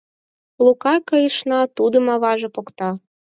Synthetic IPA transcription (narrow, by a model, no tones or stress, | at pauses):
lukɑkəjə̆ʃnɑt̪ud̪ə̆mɑβɑʒĕpokt̪ɑ